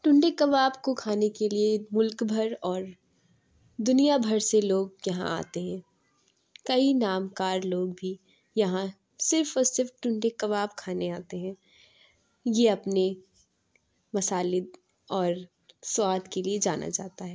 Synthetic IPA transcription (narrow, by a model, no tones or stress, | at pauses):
ʈʊ̃ɳɖekɐbaːbkokʰaːnekeliemʊlkbʱɐɾɔːɾ | d̪ʊnijabʱɐɾseloːɡ̚jɐɦã̰ʔa̰ːt̪eɦɛ̃ː | kɐinaːmkaːɾloːɡ̚bʱi | jɐɦã | sɪɾfɔɾsɪɾfʈʊ̃ɳɖekɐbaːbkʰaːneaːt̪eɦɛ̃ː | jeɐpne | mɐsaːlɪd̪ | ɔːɾ | swaːd̪ʱkelied͡ʒaːnʔa̰d͡ʒaːt̪aɦɛː